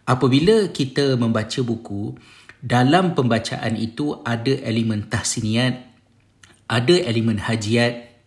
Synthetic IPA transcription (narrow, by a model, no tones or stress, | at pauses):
ʔapabiləkit̪əmə̃mbat͡ʃəbuku | dalampəmbat͡ʃa̰ʔanit̪uadaʔelimə̃nt̪ahsinĩat̪̚ | ʔadaʔelimə̃nhad͡ʒiat̪̚